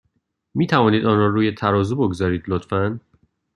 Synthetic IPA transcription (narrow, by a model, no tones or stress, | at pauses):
miːt̪ʰævɒːniːd̪ɒːnɾɒːɾuːjet̪ʰæɾɒːzuboɡzɒːɾiːd̪lot̪fæn